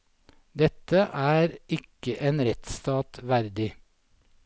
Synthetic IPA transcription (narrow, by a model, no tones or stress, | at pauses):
d̪ɛt̪əʔæːɾɪkəʔeːnɾɛt̪st̪ɑːt̪ʋæɾd̪ɪ